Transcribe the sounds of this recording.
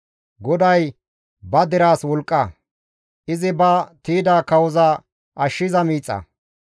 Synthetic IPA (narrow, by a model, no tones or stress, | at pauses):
ɡɔd̪ɐj | bɐd̪ɪɾaːswɔlkʼːɐ | ʔɪzɪbɐt̪iːd̪aːkɐwɔzɐ | ʔɐʃːɪzɐmiːt͡sʼːɐ̰